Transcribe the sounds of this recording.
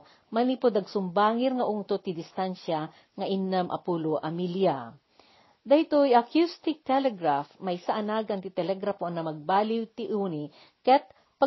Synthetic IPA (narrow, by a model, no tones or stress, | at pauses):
mɐlipod̪ɐɡsʊmbaːŋɪɾŋɐʔʊŋt̪ot̪ɪd̪ɪst̪anʃa | ŋɐʔinːɐmʔɐ̰puloʔɐmilja | d̪ahit̪ojɐkjust̪ɪk̚t̪ɛlɛɡɾafmɐjsaʔɐnaɡɐnt̪ɪt̪ɛlɛɡɾafoɐŋnɐmɐɡ̚baːlɪwt̪ɪʔuni | kɐt̪̚ | pa